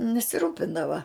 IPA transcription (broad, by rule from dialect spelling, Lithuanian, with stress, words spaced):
nʲɛsʲɪˈruːpʲɪndɐʋɐ